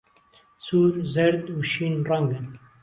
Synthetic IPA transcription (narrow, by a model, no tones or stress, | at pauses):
suːɾzɐɾd̪uːʃiːnraŋɡɨn